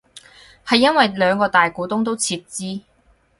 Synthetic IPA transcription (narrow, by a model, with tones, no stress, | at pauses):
hɐ˨jːɐ˥nwɐ˨jlœː˨˧ŋkɔː˧t̪aː˨jkuː˨˥t̪ʊ˥ŋt̪̬o˥wt͡sʰiː˧p̚t͡siː˥